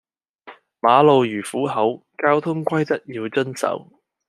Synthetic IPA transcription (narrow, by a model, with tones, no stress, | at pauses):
maː˨˧lo˨˧wjyː˨˩fuː˨˥ɦɐ˨˥w | kaː˥wt̪ʰʊ˥ŋkʷɐ˥jt̪ɐ˥t̚jiː˧wt͡ʃɵ˥nsɐ̰˨˥w